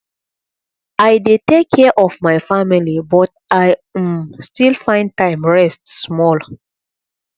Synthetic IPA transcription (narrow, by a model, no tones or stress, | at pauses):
ajdetekʰːɛʔɔvmaɪfamilibɔt̚ | aɪstilfãɪ̃ntãɪ̃mɹɛstːmɔl